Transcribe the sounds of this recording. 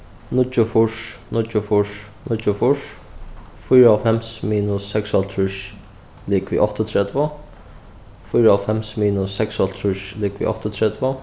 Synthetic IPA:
nʊt͡ʃːʊfʊʂnʊt͡ʃːʊfʊʂ | nʊt͡ʃːʊfʊʂ | fʊjɾafɛmsmiːnʊsːɛksɔlt̪ʰɾʊʃ | liːkʋḭʔɔht̪ɔt̪ʰɾɛt̪va | fʊjɾafɛmsmiːnʊsːɛkshɔlt̪ʰɾʊʃliːkʋḭʔɔ̰ht̪ɔt̪ʰɾɛt̪ʋa

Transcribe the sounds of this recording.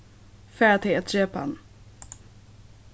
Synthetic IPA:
fɛt̪ʰeːt̪ʒeːpa̰n

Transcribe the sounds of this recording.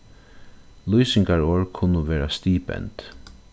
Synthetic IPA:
lujsɪŋkaɹoːɹkʰʊnʊʋeːɾast̪iːpɛ̰nt̪

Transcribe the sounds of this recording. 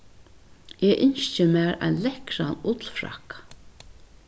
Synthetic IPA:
eːʔɪnst͡ʃɪmæːɹa̰jnlɛhkɾa̰nʊt̪lfɹa̰kḁ

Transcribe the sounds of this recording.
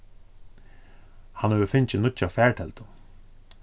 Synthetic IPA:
hanhɛʋəfɪɲt͡ɕɪnʊt͡ɕːafɛːɹʈʰɛlt̪ʊ

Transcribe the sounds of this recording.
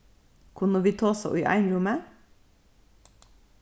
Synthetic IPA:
kʰʊnəʋiːt̪ʰoːso̰ʔḭːʔæ̰ɪnɹʊmə

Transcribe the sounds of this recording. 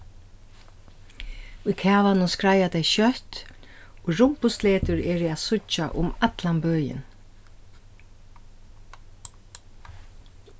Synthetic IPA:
ʊjkʰɛːvanʊnskɹajat̪ɛjʃœht̪ | ɔɹʊmpʊsleːt̪ʊɹɛːɾɪɛːðsʊt͡ʃa̰ʔʊmat̪lambœːjɪ̰n

